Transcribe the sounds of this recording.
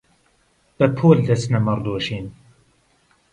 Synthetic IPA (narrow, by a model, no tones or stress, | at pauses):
b̥ɐpʰoːld̪ɐsnɐmɨrd̪oːʃiːn